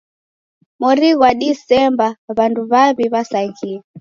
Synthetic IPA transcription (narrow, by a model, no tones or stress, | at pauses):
mɔɾiɣwaɗisɛmbaβanduβaβiβasaɣia